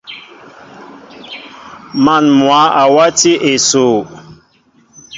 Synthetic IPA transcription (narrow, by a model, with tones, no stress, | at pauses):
ma˨nmwa˨˦ʔa˨wa˦ti˦ʔe˨so˨